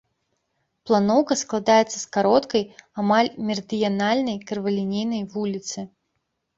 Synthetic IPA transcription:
plˠanɔwkɐsklˠad̪ajɛt̪sːɐskaɾɔt̪kɐjamalʲmʲɛrɨd̪ɨjanalʲnɐjkɐrvɐlʲinʲejnɐjvulʲit̪sɨ

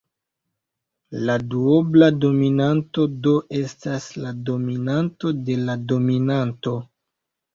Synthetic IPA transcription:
laduoblado̞minanto̞do̞ʔe̞staslado̞minanto̞de̞lado̞minanto̞

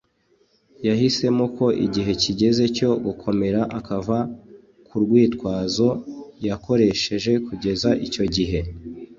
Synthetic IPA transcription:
jaɦise̞moko̞ʔḭɟiɦe̞ciɟe̞ze̞co̞ɡukʰo̞me̞ɾaʔakava | kʰuɾɡwiːtkwaːzo̞jako̞ɾe̞ʃe̞ʒe̞kuɟe̞zaʔico̞ɟiɦe̞

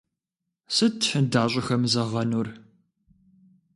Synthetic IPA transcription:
sɨtʰħədaːɕʷʼɪxɐmzɐʁɐnur

